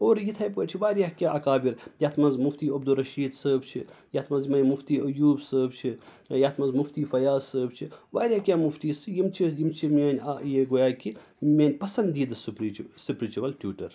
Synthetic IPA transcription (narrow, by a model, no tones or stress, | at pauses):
oːɾjit̪ʰajpkot͡ʃʰiʋaːɾjaːkʲaʔɐkaːbiɾjaːt̪ʰmɐnzmuft̪iːɐbd̪uɾɐʃiːd̪səːbt͡ʃʰijat̪ʰmɐzmɐjmuft̪iːʔɐjuːbsəːbt͡ʃʰi | jat̪ʰmɐzmuft̪iːfɐjaːsəːbt͡ʃʰiʋaːɾʲjakʲjaːmuft̪iːsɨjimt͡ʃʰijimt͡ʃʰimɐːnʲajeɡojaːki | mʲɐːnʲpɐsɐnd̪d̪iːd̪ɨsupɾisupɾit͡ʃiʋɐlʈjuːʈɐɾ